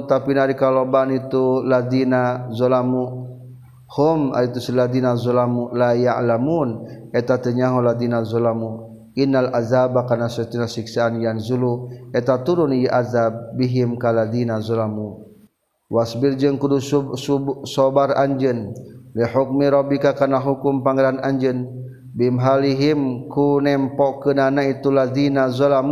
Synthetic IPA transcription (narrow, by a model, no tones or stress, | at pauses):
t̪apinaɾikalobanit̪ulad̪inazɔlamu | hʊma̰it̪usilad̪inazɔlamulajaʔlamuːnɛt̪at̪əɲaɦulad̪inazɔlamu | ʔinːalʔazabakanasɛt̪inasiksaanjanzuluɛt̪at̪uɾunjaʔazabːiɦimkalad̪inazɔlamu | wʔasbird͡ʒənkudu | sɔbara̰ɲd͡ʒənliħuk̚miɾɔbikakanaɦukʊmpaŋalanaɲd͡ʒən | bimɦaliɦimkunɛmpɔʔkənanait̪ulad̪inazɔlam